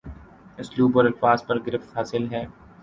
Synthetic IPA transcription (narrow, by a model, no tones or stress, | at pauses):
ɪsluːbɔːɾɐlfaːzpɐɾɡɪɾɪft̪ɦaːsɪlɦɛː